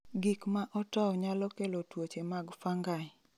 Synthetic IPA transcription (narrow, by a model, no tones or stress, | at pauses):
ɡikmaʔɔtɔwɲalɔkelotwot͡ʃemaɡfaŋɡa